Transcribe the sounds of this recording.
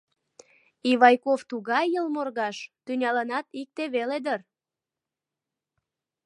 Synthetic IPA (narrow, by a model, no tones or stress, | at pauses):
iβɑjkoft̪uɣɑjːəlmorɣɑʃt̪ynʲɑlənɑt̪ik̚t̪eβeled̪ər